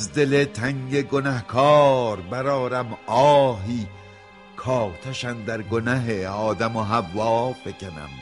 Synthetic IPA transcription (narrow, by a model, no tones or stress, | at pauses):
zd̪elet̪ʰæŋɟeɡonæhkʰɒːɾbæɾɒːɾæmɒːɦiː | kʰɒːt̪ʰæʃænd̪æɾɡonæɦeɒːd̪æmoɦævːɒːb̥ecænæ̰m